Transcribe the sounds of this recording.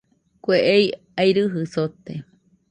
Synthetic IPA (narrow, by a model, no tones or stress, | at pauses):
kʷeʔei | ajɾɨɦɨsot̪e